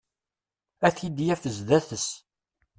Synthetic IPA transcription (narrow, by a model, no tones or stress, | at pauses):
æθid̪jæfəzðæθəs